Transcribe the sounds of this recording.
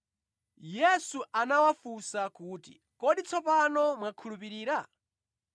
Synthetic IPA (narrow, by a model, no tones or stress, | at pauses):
jɛsuʔanawafusakuːtḭ | kɔɗit͡sʰɔpanɔmwakʰulupiɾiːɾa